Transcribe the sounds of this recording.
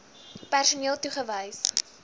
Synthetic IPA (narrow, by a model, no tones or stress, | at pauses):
pærsuniəlˠtuχəvəjs